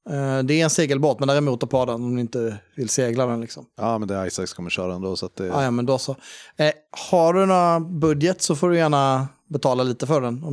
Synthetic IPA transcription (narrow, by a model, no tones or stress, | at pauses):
d̪ɛːɾɛnseːɡəlboːt̪mɛnd̪æːɾɪmuːt̪ɔpʰɑːd̪ɛnɔmd̪ɵɪnt̪əvɪlseːɡlad̪ɛnlɪksɔmɑːmɛnd̪ɛajsakskʰɔmːəɾɕœːɾaɛnd̪oːsɔat̪̚d̪ɛaːjɑːmɛnd̪osɔ | haɖɵnabɵd̪jət̪sɔfoːɖɵjæːɳa | bɛt̪ʰɑːlaliːt̪əfœɖɛnɔ